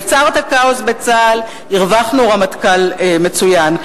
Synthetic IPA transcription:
t͡saʁt̪akaosbet͡sal | iʁvaχnuʁamat̪kalme̞t͡sujan

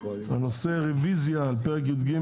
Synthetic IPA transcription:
anoseʁɛvizjaːlpɛʁɛk̬jud̪ɡi

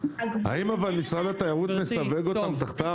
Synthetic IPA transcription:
ha̰imavalnisʁad̪at̪ajaʁut̪ne̞saveɡo̞t̪amt̪aχt̪a

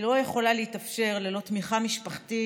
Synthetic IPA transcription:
lo̞jeχo̞laleitafʃe̞ʁlelo̞t̪miχamiʃpaχti

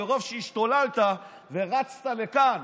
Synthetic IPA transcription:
eʁo̞vʃeiʃt̪o̞lalt̪a | ve̞ʁat͡st̪alekan

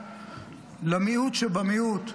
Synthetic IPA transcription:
lamiut̪ʃebamiut̪

